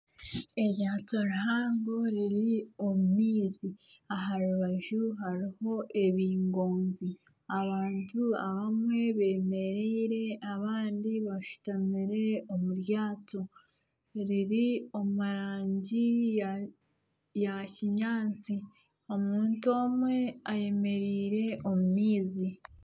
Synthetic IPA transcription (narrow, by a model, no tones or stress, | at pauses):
e̞ɾjaːtoɾaɦaːŋɡo̞ɾiɾiomumiːzi | aɦaɾuβaʒuɦaɾiho̞ʔe̞βiːŋɡo̞ːnzi | aβaːntua̰βamwe̞βe̞ːme̞ɾeɾe̞aβaːndiβaʃu̥tamiɾe̞o̞muɾjaːto̞ | ɾiɾio̞muɾaːɲɟi | jaciɲaːt͡si | o̞muːnto̞ːmwe̞aje̞me̞ɾiːɾe̞ʔo̞mumiːzi